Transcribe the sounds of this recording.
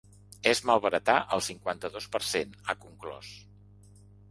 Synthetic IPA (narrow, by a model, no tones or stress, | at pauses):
ezmalˠβəɾət̪aʔəlˠsiŋkwant̪əðospəɾsenəkuŋklɔ̰s